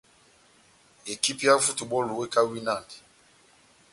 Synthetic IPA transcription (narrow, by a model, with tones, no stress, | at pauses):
e˨ki˦pja˦vu˦tu˨ɓɔ˦lu˨we˦ka˦wi˦na˦˨ndi˨